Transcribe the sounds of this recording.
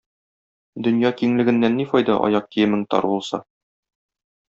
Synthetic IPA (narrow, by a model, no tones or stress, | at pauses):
d̪ɵ̆njɑkiŋlɘ̆ɡɘ̆nːænːifɒjd̪ɑʔɒ̰jɑq̚k̪ijɘmɘ̆ŋt̪ɒ̰ɾbulˠsɑ̰